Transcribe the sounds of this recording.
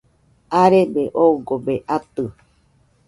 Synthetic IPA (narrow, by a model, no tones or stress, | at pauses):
aɾebeʔouɡobeʔat̪ɨ